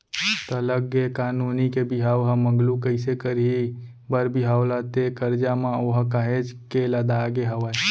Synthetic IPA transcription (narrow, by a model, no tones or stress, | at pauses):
t̪ələɡekaːnuːnikebiɦaːʋɦəməŋɡlukəɪsekəɾi | bəɾbiɦaːwlat̪ekəɾd͡ʒamãoːɦkaɦed͡ʒkeləd̪aːɡeɦəʋa